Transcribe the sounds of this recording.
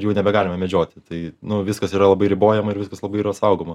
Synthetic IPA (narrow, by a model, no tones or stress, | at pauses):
jɛʊnʲɛbʲɛɡɑːlʲɪmɐmʲɛd͡ʒʲoːt̪ʲɪt̪ɐɪnʊʋʲɪskɐsiːɾɐlˠɐbɐɪɾʲɪboːjɛmɐɪɾʋʲɪskɐslˠɐbɐɪiːɾɐtsɐʊɡomɐ